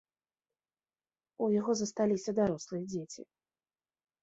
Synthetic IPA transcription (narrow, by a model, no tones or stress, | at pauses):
ujaɣɔzɐst̪alʲisʲɐd̪aɾɔslˠɨjɛd͡zʲet͡sʲḭ